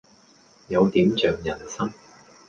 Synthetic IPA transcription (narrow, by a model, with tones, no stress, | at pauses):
jɐ˨˧wt̪iː˨˥mt͡ʃœː˨ŋjɐ˨˩nsɐ˥ŋ